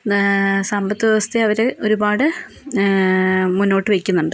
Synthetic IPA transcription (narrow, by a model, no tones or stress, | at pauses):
sɐmbɐt̪ːiɐʋɐst̪ʰeɐʋɐɾeʔo̞ɾubaːɽɨ | munːo̞ːʈːɨʋejkʲːunːuɳɖɨ